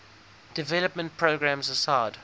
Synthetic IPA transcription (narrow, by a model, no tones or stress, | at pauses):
d̥ɪvɛləpmə̃nt̚pʰɹoɡɹæ̃mzəsaɪd̥